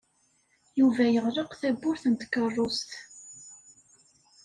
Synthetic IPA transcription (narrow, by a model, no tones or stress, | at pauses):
juvæjəʁlˤəqθæbːʊɾθənt̪kːərˤːʊst̪